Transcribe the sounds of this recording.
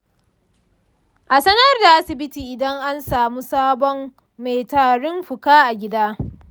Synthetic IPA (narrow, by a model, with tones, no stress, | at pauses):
ʔa˨sɐ˦nɐ˦rda˨ʔa˦sɪ˨bɪ˦tiː˨ʔɪ˨dɐ˦ŋʔa˦nsaː˨muː˦saː˦bɔ˦mː | e˨jtaː˨ɽʊ˦mɸʊ˨kaː˦ʔa˨ɡʲɪ˦daː˦